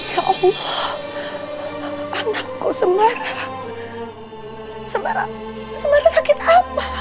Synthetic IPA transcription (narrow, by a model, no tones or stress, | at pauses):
jaʔɑlːɑh | ʔanakːosəmaɾa | səmaɾa̰ | səmaɾasakit̪apa